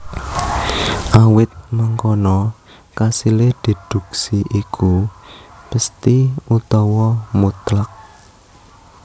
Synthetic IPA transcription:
ʔawɪt̪̚maŋkɔnɔ | kasiled̪̥i̤d̪̥ṳksiʔikʰu | b̥əst̪iut̪ɔwɔmut̪lak̚

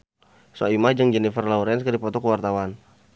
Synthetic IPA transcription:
sua̰imahd͡ʒəŋd͡ʒɛnifərlauɾɛnskədipɔt̪ɔkəwart̪awan

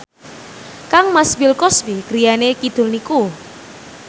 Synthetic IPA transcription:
kaŋmasbilkɔsbikɾijanekid̪̥ʊ̤lniku

